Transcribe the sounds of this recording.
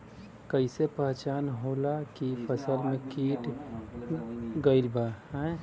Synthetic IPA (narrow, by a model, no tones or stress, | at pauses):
kəɪsepəɦt͡ʃaːnɦoːlakipʰəsəlmẽkiːʈ | ɡəɪlbaɦɛ̃